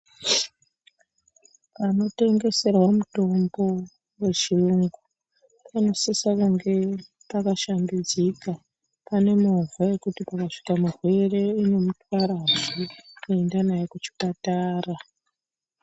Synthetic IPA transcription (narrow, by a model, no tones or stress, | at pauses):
pano̞te̞ŋɡe̞se̞rwamuto̞mbo̞ | we̞t͡ʃiruŋɡu | pano̞sisakaŋɡe̞ | pakaʃandud͡zika | pane̞movaje̞kutipakaʂi̥kamurwe̞re̞ine̞mutwaɾaʐikue̞ndanajekut͡ʃi̥pataːra